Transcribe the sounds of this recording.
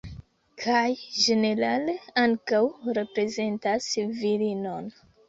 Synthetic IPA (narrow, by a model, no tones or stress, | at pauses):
kʰajʒe̞ne̞ɾaleaŋkawɾe̞pɾe̞ze̞ntasviɾino̞n